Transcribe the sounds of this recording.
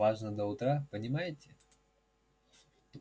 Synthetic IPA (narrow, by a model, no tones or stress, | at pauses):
aʐnəd̪əʊt̪ɾapənʲɪmajɪtʲɪ